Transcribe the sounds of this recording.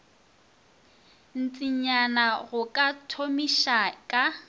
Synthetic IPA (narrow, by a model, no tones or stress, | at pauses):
n̩t͡sʼiɲanaɣʊkʼatʰomiʃakʼa